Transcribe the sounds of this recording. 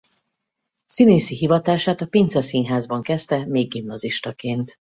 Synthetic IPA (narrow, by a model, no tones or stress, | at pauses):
sineːsiɦivɒt̪aːʃaːt̪ɒpint̪sɛsiːnɦaːzbɒŋkɛst̪ɛmeːɡːimnɒziʃt̪ɒkeːnt̪